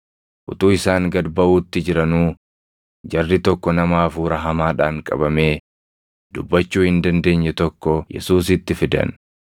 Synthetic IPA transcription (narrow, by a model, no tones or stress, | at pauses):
ʔʊt̪uːɪsaːŋɡɐd̪bɐʔuːt̪ːɪd͡ʒɪɾɐnuː | d͡ʒɐrːɪt̪ɔkːɔnɐmaːfuːɾɐɦɐmaːᶑaːŋkʼɐ̰bɐme̞ː | d̪ʊbːɐt͡ʃːuːhɪnd̪ɐnd̪e̞ːɲːɛt̪ɔkːɔjɛ̰suːsɪt̪ːɪfɪd̪ɐ̰n